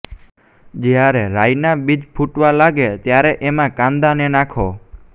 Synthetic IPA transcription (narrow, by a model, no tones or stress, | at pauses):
d͡ʒjaɾeɾajnabid͡ʒpʰuʈʋalaɡet̪jaɾeʔemãkãnd̪anenakʰo